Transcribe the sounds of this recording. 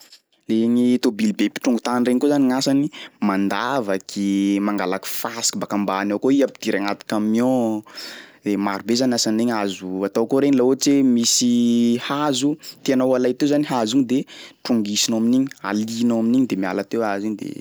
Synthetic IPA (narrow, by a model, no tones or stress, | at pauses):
leɲit̪obilbepi̥ʈ͡ʂuŋɡut̪anireɲikozaniŋasanimand̪avakʰimaŋɡalaku̥fasi̥kibakambaːnawkoiapid̪̥iɾaŋat̪i̥kamio | emaɾbezanasaneɲazuat̪awkoɾeɲilaoʈ͡ʂemisihazut̪ianawalajt̪ewzaniɦaziɲid̪eʈ͡ʂuŋɡisinoaminiɲi̥a̰linowaminiɲid̪emia̰lat̪ewaziɲd̪ḛ